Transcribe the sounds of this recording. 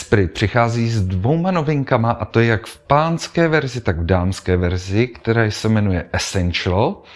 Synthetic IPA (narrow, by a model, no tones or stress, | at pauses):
spɾɪt̪̚pr̝̥ɪxaːziːzdvo̞wmano̞vɪŋkamaʔat̪o̞jakfpaːnskɛːvɛɾzɪt̪aɡvdaːmskɛːvɛɾzɪkt̪ɛɾaːjsɛmɛnujɛʔɛsɛnʃl